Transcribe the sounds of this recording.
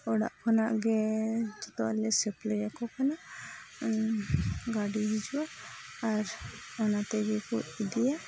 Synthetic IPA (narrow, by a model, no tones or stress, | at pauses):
ɔɽa̰ʔkʰɔnaʔɡɛd͡ʒɔt̪ɔalɛsɛplɛjakɔkʰanaʔ | ɡaɽiɦid͡ʒuwaː | ɾɔnat̪ɛɡɛkuidɛja